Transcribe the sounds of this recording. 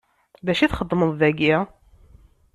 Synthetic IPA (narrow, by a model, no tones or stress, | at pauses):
ðæʃiθχəd̪ˤːməðˤðæɡi